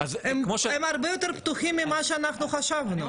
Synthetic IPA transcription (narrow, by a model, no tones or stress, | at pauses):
azemkmoʃemaʁbejot̪eʁpt̪uχimːimaʃeanaχnuχaʃavnu